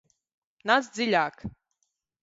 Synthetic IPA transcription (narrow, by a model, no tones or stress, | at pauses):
nasd̪ziʎʲaːk